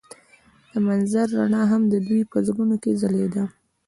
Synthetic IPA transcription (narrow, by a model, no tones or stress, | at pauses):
d̪̥əmanzaɾːaɳɑɦamd̪əd̪ujpəzɡunokezaled̪a